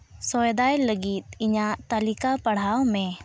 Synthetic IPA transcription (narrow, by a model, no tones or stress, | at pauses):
sɔjd̪ajləɡit̪̚ɪɲat̪əlikapɐɽ̤awmẽ